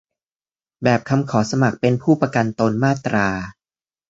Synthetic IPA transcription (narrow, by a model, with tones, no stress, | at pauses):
bɛː˨˩p̚kʰa˧mkʰɔː˩˦sa˧ma˨˩k̚pe˧npʰuː˥˩pɾa˧ka˧nt̪o˧nmaː˥˩t̪ɾʔaː˧